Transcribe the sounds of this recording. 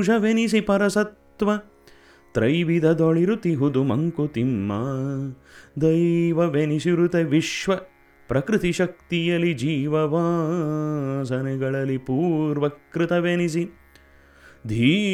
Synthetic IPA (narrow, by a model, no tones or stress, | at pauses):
d͡ʒʱɐʋenisipɐɾɐsɐt̪ʋɐ | t̪ɾɐjʋid̪ʱɐd̪ɔɭiɾut̪iɦud̪umɐŋkut̪imːɐ | d̪ɐjʋɐʋenisiɾut̪eʋiʃʋɐ | pɾɐkɾɪt̪iʃɐk̚t̪ijɐlːid͡ʒiːʋɐʋaː | sɐnɛɡɐɭɐlːipuːɾʋɐkɾɪt̪ɐʋenis̬i | d̪ʱiː